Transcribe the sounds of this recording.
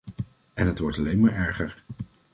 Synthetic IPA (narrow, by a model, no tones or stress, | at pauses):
ɛnɦətʋɔɹtɑlejnmaːɹɛɹχəɹ